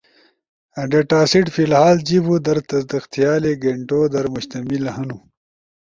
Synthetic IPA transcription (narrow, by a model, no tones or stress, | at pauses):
ɐɖeʈaːsiʈfilhaːld͡ʑibud̪ɐɾt̪ɐzd̪ixt̪ijaːleɡeɳʈoːd̪ɐɾmʊɕt̪ɐmilɐhɐnu